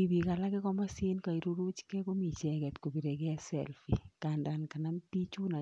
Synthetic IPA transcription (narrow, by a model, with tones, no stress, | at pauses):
i˨bi˨ka˨la˦kɛ˦kɔ˦ma˦se˦nka˨i˨ɾu˦ɾu˦t͡ʃkɛ˦ko˦mi˨t͡ʃɛ˨kɛ˨tko˨bi˨ɾe˨ke˦ɛ˦sɛ̰˨lfi˨ka˨nda˨nka˨na˦mti˦t͡ʃu˦na˨